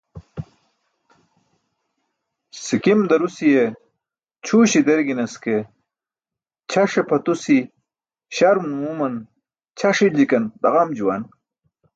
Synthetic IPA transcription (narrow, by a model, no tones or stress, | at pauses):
sikimd̪ɐɾusije | t͡ɕʰuːɕid̪eɾɡinɐske | t͡ɕʰaʂepʰɐt̪usi | ɕaɾmumumɐn | t͡ɕʰɐʂid͡ʑikɐnd̪ɐʁamd͡ʑuwan